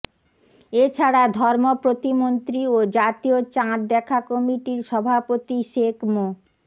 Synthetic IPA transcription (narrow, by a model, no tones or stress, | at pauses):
et͡ɕʰaɽad̪ʱɔɾmopɾot̪imont̪ɾiod͡ʑat̪iot͡ɕãɾd̪ɛkʰakɔmiʈiɾʃɔbʱapot̪iʃekʰmo